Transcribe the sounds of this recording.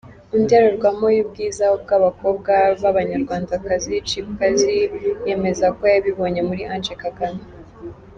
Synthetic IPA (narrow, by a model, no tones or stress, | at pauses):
undeɾoɾɡwamojib̚ɡiːzaob̚ɡaːβako̞ːb̚ɡaβaβaɲaɾɡwaːndakazit͡ʃikkazije̞me̞zako̞jaβiβo̞ːɲe̞muɾiʔand͡ʒekaɡani